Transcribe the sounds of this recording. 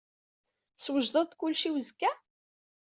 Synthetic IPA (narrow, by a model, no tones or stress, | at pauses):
swəʒðˤəðˤkʊlːʃiwəzkːæ